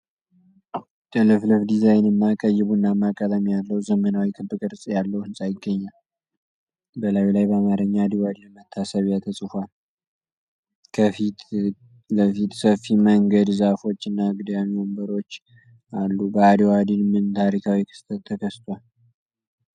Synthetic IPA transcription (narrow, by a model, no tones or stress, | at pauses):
təlɨflɨfd̪izajnəmːakʼəjːɪβuɨnːamːakʼət̪ʼəmjalːəwzəmːənawikʰʼɨbːɨkʼɨɾsʼjalːəwhɨnsʼajɪɡːəɲːal | bəlawilajbəamaɾɨɲːaad̪iwad̪inmət̪ʰːasəβjat̪ʰəsʼɨfʷal | kʰəfit̪ | ləfit̪səfiməŋɡəd̪zafo̞t͡ʃːɨnːaɡɨd̪jamiwombəɾo̞t͡ʃː | ʔalːubəad̪iwad̪inmɨnt̪ʰaɾikʰawikʰɨ̥st̪ʰət̪ʰːəkʰəst̪ʰʼwal